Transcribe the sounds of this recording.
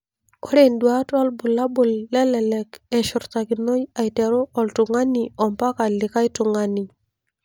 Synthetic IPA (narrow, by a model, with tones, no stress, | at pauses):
ko˦ɾe˨ndwa˦twa˦lbʊ˨la˦bʊ˨lːɛ˦lɛ˨lɛ˨kɛ˨ʃʊ˨ɾta˨ki˨no˦ja˨jtɛ˨ɾo˦ɔ˨ltʊ˨ŋa˦ni˨ɔ˨mpa˦ka˨lɪ˨ka˦jtʊ˨ŋa˨ni˨